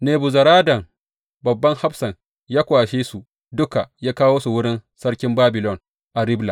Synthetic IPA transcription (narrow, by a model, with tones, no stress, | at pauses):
neː˨bu˨zɐ˨ɾaː˦dɐ˨ŋ | bɐ˨bːɐ˦ŋha˦bsɐ˨ŋ | jaː˦kʷaː˨ʃeː˦su˨ | dʊ˦ka˨jaː˦kaː˦woː˦su˨wʊ˦ɽɪ˦nsɐ˦ɽkʲɪ˦mbaː˦bɪ˨lɔ˦ŋ | ʔa˨ɾɪ˦bla˨